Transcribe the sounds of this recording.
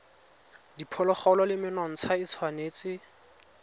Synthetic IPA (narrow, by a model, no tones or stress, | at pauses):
dipʰɔlɔχɔlɔlɪmɪnɔŋ̩t͡sʰait͡sʰwaneːt͡sɪ